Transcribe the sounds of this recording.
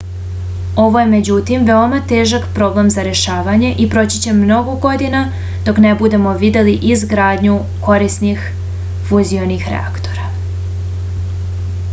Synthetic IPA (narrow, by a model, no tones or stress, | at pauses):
o̞ʋo̞je̞me̞d͡ʑut̪imʋeo̞mat̪e̞ːʒakpɾo̞blemzaɾe̞ʃaːʋaɲe̞ʔipɾo̞t͡ɕi̥t͡ɕe̞mno̞ɡoɡo̞d̪ina | d̪o̞kne̞bud̪e̞mo̞ʋid̪e̞liʔizɡɾaːd̪ɲu | ko̞ɾisnix | fuzio̞nixɾḛa̰kt̪o̞ɾa